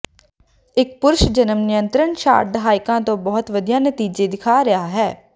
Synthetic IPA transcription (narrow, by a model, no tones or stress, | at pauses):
ɪk̚pʊɾʊʃd͡ʒənəmnɪjənt̪ɾənʃa̰ːɾ̚d̪əɦaːɪkãːt̪õːbɔːt̪ʋəd̪ijaːnət̪iːd͡ʒeːd̪ɪkʰaːɾɪjaːɦɛː